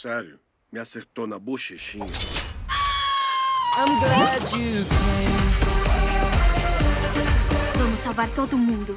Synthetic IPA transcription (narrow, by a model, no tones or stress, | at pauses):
sɛɾjʊ | mɪaseɾt̪onɐbuʃeʃĩɲɐ | ãɪ̃mɡlæt͡ʃʉkʰẽɪn | vɐ̃mʊsːawvaɾt̪od̪ʊːmũnd̪ʊ